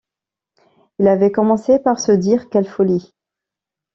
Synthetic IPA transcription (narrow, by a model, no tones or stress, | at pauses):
ilavɛkɔmɑ̃sepaʁsəd̪iʁkɛlfɔli